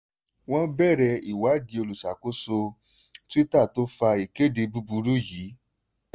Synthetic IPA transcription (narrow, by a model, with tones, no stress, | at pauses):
w̃ɔ̃˦bɛ˦˨ɾɛ˧i˨wa˨˦di˧o˧lu˨sa˨ko˦so˧ | ti˦ta˦˨to˦fa˧i˨ke˦de˨˧bu˦bu˧ɾu˦ji˨˦